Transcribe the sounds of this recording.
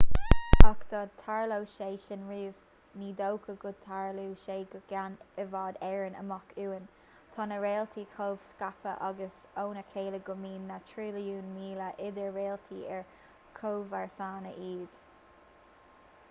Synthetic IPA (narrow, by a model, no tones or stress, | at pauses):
akd̪̥ɑːd̪̚t̪ʰaɹlowʃeːʃɪnɹiːv | niːd̪owkʰəɡʊd̪̚t̪ʰaɹluːʃeːɡəɡ̥anəvɑːd̪ɛɹənə̰mɔkʰuːən | t̪ʰɑːnəɹeːlt̪ʰikʰoːv̥skapə̰ʔaɡəs | oːnəkʰeːləɡʊmiːnːatʰɹiːlijuːnmiːləʔɪd̪əɹɹeːlt̪ʰiːɛɹ | kʰoːvaɹθaːnəʔiːd̪̥